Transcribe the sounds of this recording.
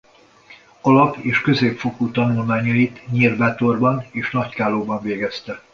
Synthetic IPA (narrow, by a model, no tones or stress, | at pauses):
ɒlɒpeːʃkø̞zeːpfokut̪ɒnulmaːɲɒit̪ɲirbɛt̪o̞rbɒneːʃnɒckaːloːbɒɱveːɡɛst̪ɛ